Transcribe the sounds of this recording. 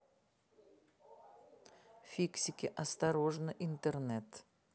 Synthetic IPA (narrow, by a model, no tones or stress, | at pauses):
fʲiksʲikʲɪʔast̪aɾoʐnəʔint̪eɾnet̪